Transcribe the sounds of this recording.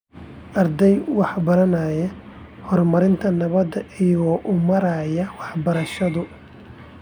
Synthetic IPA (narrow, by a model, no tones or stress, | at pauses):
ʔɐrd̪ɛjwɑħbɐɾɐnɐjɛ | hɔrmɐɾɪnt̪ʰɐnɐβɐd̪ɐʔijɔʔʊmɐɾɐːjɐwɑħbɐɾɐʃɐðʊ